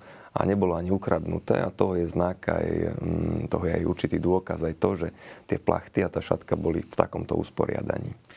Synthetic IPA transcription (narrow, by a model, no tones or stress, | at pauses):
ʔa̰ɲɛbɔlɔaɲiukɾad̪nut̪ɛ̰ːat̪ɔɦɔjɛznaka̰j | t̪ɔɦɔjɛajuɾt͡ʃit̪iːd̪ʊɔkazajt̪ɔʒɛt̪ɪɛplʔa̰xt̪iat̪aːʃat̪kabɔlḭft̪akɔmt̪ɔṵspɔɾɪa̰d̪a̰ɲiː